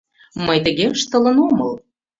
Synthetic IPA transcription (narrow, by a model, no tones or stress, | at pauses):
məjt̪ə̆ɣeəʃt̪ələ̆numəl